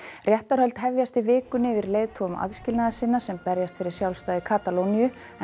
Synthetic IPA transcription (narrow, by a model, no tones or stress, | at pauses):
rjɛht̪aɾhœlt̪ɦɛvjast̪ivɪːkʏnɪvɪɾlejðt̪ʰɔʏmʔa̰ðscɪlnaðasɪnːasɛmpɛɾjast̪fɪɾɪɾ̥sjawlst̪aːðɪkʰaːt̪alownijʏ | ɛ